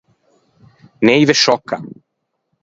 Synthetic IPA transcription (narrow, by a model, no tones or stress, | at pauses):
nɛivɛʃɔka̰